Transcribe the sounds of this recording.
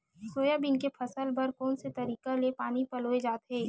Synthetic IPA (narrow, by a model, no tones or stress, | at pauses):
soːjabɪnkepʰɐsəlbɐɾkɔːnset̪ɐɾiːkalepaːnipɐloːed͡ʒaːt̪ɦɛː